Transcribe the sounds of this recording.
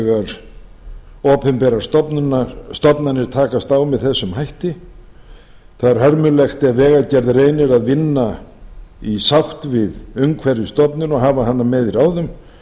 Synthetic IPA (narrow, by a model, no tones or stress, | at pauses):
ɣaɾ̥ | ɔːpʰɛmpɛɾaɾ̥st̪ɔpnʏnaɾst̪ɔpnanɪɾ̥t̪ʰaːkast̪awmɛðθɛsːʏmɦajht̪ɪ | θaðɛɾhœɾmʏlɛxt̪ɛvɛːɣalcɛɾðreːjnɪɾaðvɪnːa | isawht̪vɪðʏŋkʰvɛɾjʏst̪ɔpnʏnɔɣɦaːvaɦanːamɛðiɾaːwðʏm